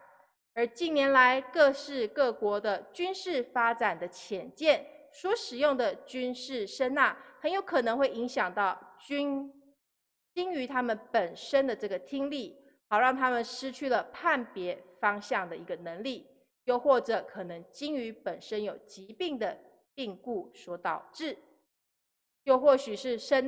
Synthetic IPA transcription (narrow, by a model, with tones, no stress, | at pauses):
ə˞˧˥t͡ɕi˥˩njɛ˧˥nla˧˦ɪkɤ˥˧ʂɻ̩˥˧kɤ˥˩kwɔ˧˥d̪ə˧t͡ɕy˥nʂɻ̩˥˩fa˥ʈ͡ʂa˨˩nd̪ə˦t͡ɕʰjɛ˨˩nt͡ɕjɛ˥˩nʂwɔ˧˥ʂɻ̩˨˩jʊ˥˩ŋd̪ə˩t͡ɕy˥nʂɻ̩˥˩ʂə˥nna˥˩xə˧˥njo˧˥ʊkʰɤ˨˩nɤ˧˥ŋxwe˥˩ɪi˧˥ŋɕjɑ˨˩ŋt̪ɑ˥˩ʊt͡ɕy˥n | t͡ɕi˥ŋy˧˥t̪ʰa˥mə˨npə˨˩nʂə˥nd̪ə˨ʈ͡ʂɤ˥˩ɡə˩t̪ʰi˥ŋli˥˩ | xɑ˨˩ʊɻɑ˥˩ŋt̪ʰa˥mə˨nʂɻ̩˥t͡ɕʰy˥˩lə˩pʰa˥˩npjɛ˧˥fɑ˥ŋɕjɑ˥˩ŋd̪ə˩i˧˥ɡə˧nə˧˦˥ŋli˥˩ | jo˥˧ʊxwɔ˥˩ʈ͡ʂɤ˨˩kʰɤ˨˩nɤ˧˥ŋt͡ɕi˥ŋy˧˥pə˨˩nʂə˦˥njo˨˩ʊt͡ɕi˧˦˥pi˥˩ŋd̪ə˩ | t̪i˥˧ŋku˥˩swɔ˧˥t̪ɑ˨˩ʊʈ͡ʂɻ̩˥˩ | jo˥˧ʊxwɔ˥˩ɕy˨˩ʂɻ̩˥˩ʂə˥n